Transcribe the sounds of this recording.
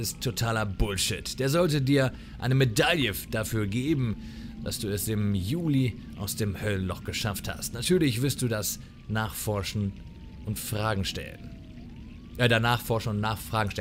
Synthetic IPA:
ɪsttʰːotʰaːlɐbʊlʃɪtd̥eːɐzɔltədiːɐ | ʔa̰ɪnəmedaljəd̥afyːɐɡeːbm̩ | d̥a̰sd̥uːɛsɪmjuːli | ʔaʊsd̥eːmhœlənlɔχɡ̥əʃaftha̰stnatʰyːɐlɪçv̥ɪɐlst̚d̥uːdas | naːχfɔɐʃn̩ | ʔʊntfʁ̥aːɡŋ̩ʃtɛ̰lən | jaːdanaːχfɔɐʃn̩ʊntnaːχfʁ̥aːɡŋ̩ʃtɛ

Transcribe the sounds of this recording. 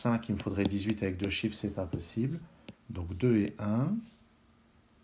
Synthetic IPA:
sɛ̃kilməfod̪ʁɛd̪izɥit̪avɛk̚d̪øʃifsɛt̪ɛ̃pɔsibl | d̪ɔ̃kd̪øeʔɛ̃

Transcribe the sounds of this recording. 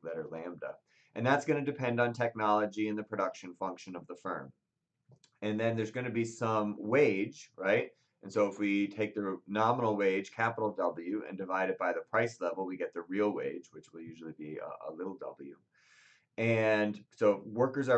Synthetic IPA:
lɛɾə˞læ̃mdʌ̰ | ʔɨ̃nðætsɡ̥ʌnɨdɨpʰɛ̃ndn̩tʰɛk̚nɑlˠəd͡ʒiɨ̃nðɨpʰɹ̥ɨɾʌkʃɨ̃nfʌ̃ŋkʃɨ̃nʌvðəfɜ̰̃˞m | ɨ̃nðɨ̃nðə˞zɡʌñɨbisʌ̃mweɪd͡ʒɹaɪt̚ | ʔɨ̃nsoʊəfwitʰeɪk̚ðɨnɑmənl̩ˠweɪd̥ʒ̥kʰæpəɾl̩ˠdʌbl̩ˠjʉʔɨ̰̃ndɨvaɪɾɨd̚b̥aɪðɨpʰɹ̥aɪslɛvl̩ˠwiɡɛt̪̚ðɨɹilˠwḛɪ̥d͡ʒwɨt͡ʃwəlˠjʉʒl̩ˠibiə̰ə̰lɪɾl̩ˠdʌ̰bl̩ˠjʉ̰ | ɨ̃nsoʊwɜ˞kə˞zə

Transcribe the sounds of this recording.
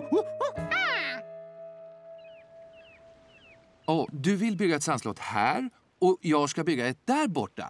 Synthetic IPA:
ɔːd̪ɵvɪlbʏɡːaɛt̪sanslɔ̰ːt̪hæːɾ | ɔjɑːɡskabʏɡːaɛd̪̥æɾbɔʈːa̰

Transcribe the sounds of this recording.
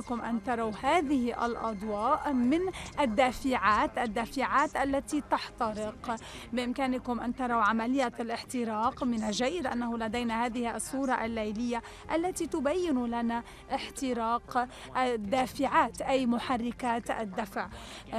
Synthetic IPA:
kʊmʔant̪ɑɾˤɑwhaːðɪhʔa̰lʔɑ̰d̪ˤwɑːʔmɪnʔad̪ːaːfɪʕaːt̪ʔad̪ːaːfɪʕaːt̪ʔalːat̪it̪ɑħt̪ɑɾɪq | bɪʔɪmkaːnɪkʊmʔant̪ɑɾˤɑwʕamalɪjːalʔɪħt̪ɪɾɑːqmɪnaʒaːjɪd̪ʔa̰nːahʊlad̪ajnahaːðɪhɪʔɑsˤːuːɾˤɑʔalːajlɪjːa | ʔalːat̪it̪ʊbajːɪnlana | ʔɪħt̪ɪɾɑːq | d̪ːaːfɪʕaːt̪ʔajmʊħarːɪkaːt̪ʔa̰d̪ːafʕ

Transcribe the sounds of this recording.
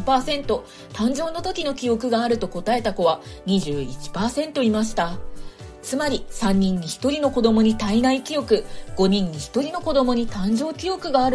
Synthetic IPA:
paːsẽ̞nt̪o̞ | t̪ãɲd͡ʑo̞ːno̞t̪o̞kʲino̞kʲio̞kɯ̟ɡaːɾɯ̟t̪o̞ko̞t̪ae̞t̪ako̞βaɲ̟iʑɨːit͡ɕi̥paːsẽ̞nt̪o̞imaɕi̥t̪a | t͡sɨmaɾʲisãɲ̟ːĩɲ̟ːiçi̥t̪o̞ɾʲino̞ko̞d̪o̞mo̞ɲ̟it̪ainaikʲijo̞kɯ̟ɡ̥o̞ɲ̟ĩɲ̟ːiçi̥t̪o̞ɾʲino̞ko̞d̪o̞mo̞ɲ̟it̪ãɲd͡ʑo̞ːkʲijo̞kɯ̟ɡaːɾɯ̟

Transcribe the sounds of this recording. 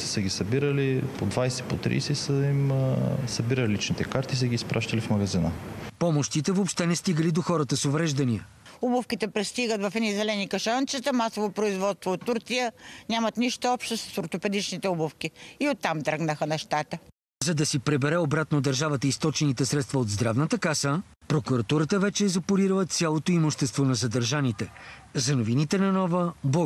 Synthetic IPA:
səɡʲisɐbiɾəlipod̪vajsɛpot̪ɾḭjsɛsəimsɐbiɾəlilit͡ʃnit̪ɛkaɾt̪isəɡiːspɾʔaʃt̪ɐlifmɐɡɐzinəpɔmoʃt̪it̪ɛvopʃt̪ɛnɛst̪iɡəlid̪oxɔɾɐt̪əsovɾɛʒd̪ɐniə | ubʊfkit̪ɛpɾɛst̪iɡət̪vɐfɛizɛlɛnikɐʃant͡ʃət̪əmasovopɾoizvɔt̪t̪voːt̪ːuɾt̪sijənʲamət̪niʃt̪ɐɔpʃt̪osɐ̥soɾt̪opɛd̪it͡ʃnit̪ɛubofkiiot̪ːamt̪ɾɡnəxənɛʃt̪at̪ə | zɐd̪ɐsipɾɛbɛɾɛobɾat̪nod̪ɐɾʒavət̪əist̪ɔt͡ʃɛnit̪ɛsɾɛt̪st̪vɐod̪zd̪ɾavnət̪əkasə | pɾokuɾɐt̪uɾɐt̪əvɛt͡ʃɛːzɐpoɾiɾəvət̪sʲjalˠot̪oimoʃt̪ɛst̪vonɐzɐd̪ɐɾʒanit̪ɛzɐnovinit̪ɛnɐnɔvəbɔ

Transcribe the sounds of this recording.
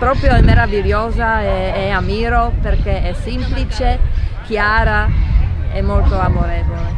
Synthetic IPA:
pɾɔːpɾjoɛmːeɾaviljoːzaɛ | ɛɛamiːɾoperkeɛsimplit͡ʃek̟jaːɾa | ɛmːolt̪oamoɾeːvole

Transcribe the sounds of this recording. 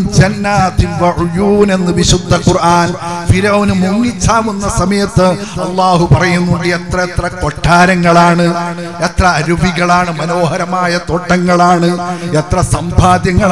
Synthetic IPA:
md͡ʑɐnːaːt̪inʋɐʕujuːne̞nːɨʋiɕud̪ʱːɐkurʔaːnfiɾɐʋɐnɨmuŋːit͡ɕːaːʋunːɐsɐmɐjɐt̪ːɨ | ɐlˠːaːhupɐrɐjunːuɳɖɨet̪rɐet̪rɐko̞ʈʰːaːɾɐŋːɐɭaːɳɨ | et̪rɐɐɾuʋiɣɐɭaːɳɨmɐno̞ːhɐɾɐmaːjɐt̪oʈːɐŋːɐɭaːɳɨet̪rɐsɐmbʱaːd̪jɐŋːɐɭ

